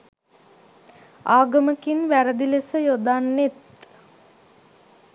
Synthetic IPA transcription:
aːɡəməkinʋæɾəd̪ilesəjod̪anːet̪

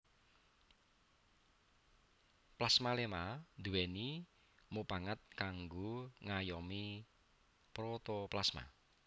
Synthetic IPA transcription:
plasmalemad̪̥uwɛni | mopaŋət̪̚kaŋɡoŋajɔmi | pɾɔt̪ɔplasma̰

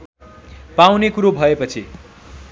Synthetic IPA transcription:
pawnekuɾobʱʌepʌt͡sʰi

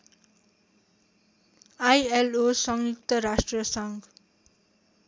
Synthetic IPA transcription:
ajelosʌŋjukt̪ʌɾasʈriʌsʌŋɡ

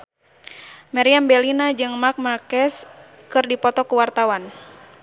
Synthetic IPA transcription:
maɾiambɛlinad͡ʒɨŋmark̚markɛs | kɨrdipɔt̪ɔkuwart̪awan

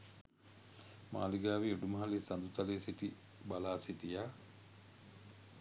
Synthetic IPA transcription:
ma̰ːliɡaːʋiuɖumɐɦɐlisɐnd̪ut̪ɐleːsiʈi | bɐlaːsiʈijaː

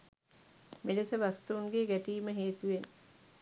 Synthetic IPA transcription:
melesəʋast̪uːŋɡeɡæʈiːməɦeːt̪uʋen

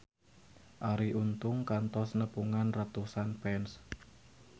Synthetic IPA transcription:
ʔaɾiʔunt̪ʊŋkant̪ɔsnəpuŋanrat̪usanpɛns

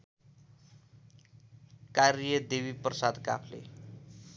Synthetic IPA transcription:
kaɾjʌd̪ewiprʌsad̪ka̰pʰlḛ

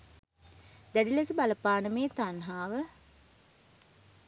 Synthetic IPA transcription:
d̪æɖilesibalɐpaːnəmeːt̪anɦaːʋə

